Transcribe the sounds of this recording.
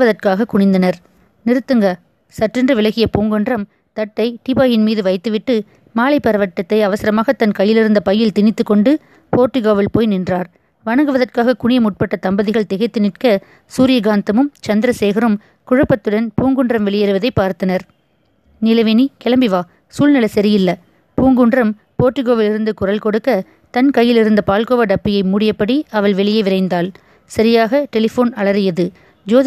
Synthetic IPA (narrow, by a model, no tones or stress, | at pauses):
ʋɐðɐrkaːɣɐkʊɳɪnd̪ɐnɐɾ | nɪɾɯt̪ːɯŋɡɐ | sɐʈrɪndrɯʋɪlɐɣɪjɐpuːŋɡɯɳdrɐm | t̪ɐʈːɐɪʈɪbaːjɪnmiːðɯʋɐɪt̪ːɯʋɪʈːɯ | maːlɐɪpːɐɾɐʋɐʈːɐt̪ːɐɪɐʋɐsɪɾɐmaːɣɐt̪ːɐnkɐjːɪlɪɾɯnd̪ɐpɐjːɪlt̪ɪnɪt̪ːɯkːɔɳɖɯ | poːɾʈːɯɣaːʋɪlpoːjnɪndraːɾ | ʋɐnɐŋɡɯʋɐðɐrkaːɣɐkʊɳɪjɐmʊʈ̚pɐʈːɐt̪ɐmbɐðɪɣɐɭt̪ɛɣɐɪt̪ːɯnɪrkɐ | suːɾɪjɐɡaːnt̪ɐmɯmt͡ʃɐnd̪ɪɾɐseːɣɐɾɯm | kʊɻɐpːɐt̪ːɯɽɐnpuːŋɡɯɳɖrɐmʋɛɭɪjɐɾɯʋɐðɐɪpːaːɾt̪ɐnɐɾ | nɪlɐʋɪnikɛlɐmbɪʋaː | suːlnɪlɐsɐɾɪjɪlːɐ | puːŋɡɯɳɖrɐm | poːʈːɪɣoːʋɪlɪɾɯnd̪ɯkʊrɐlkɔɽɯkːɐ | t̪ɐnkɐjːɪlɪɾɯnd̪ɐpaːlkoːʋɐɖɐpːɪjɐɪmuːɽɪjɐpːɐɽiɐʋɐɭʋɛɭɪjɐɪʋɪɾɐɪnd̪aːl | sɐɾɪjaːɣɐʈɛlɪfoːnɐɭɐɾɯjɐðɯ | d͡ʒoːð